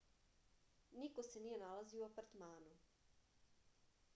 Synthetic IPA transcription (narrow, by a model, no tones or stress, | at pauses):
nikosenijenalaziuapaɾt̪maːnu